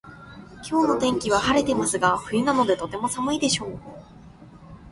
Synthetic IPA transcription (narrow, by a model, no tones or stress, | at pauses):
kʲʰo̞ːno̞t̪ẽ̞ŋkʲiβ̞ahaɾe̞t̪e̞masɨɡaɸɯ̟inano̞d̪e̞t̪o̞t̪e̞mo̞samɯ̟id̪e̞ɕo̞ː